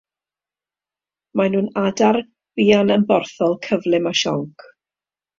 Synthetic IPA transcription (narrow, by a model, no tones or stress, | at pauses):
manuːnadar | viːanənbɔrθɔlˠkʰəvlˠɪmaʃɔ̰ŋkʰ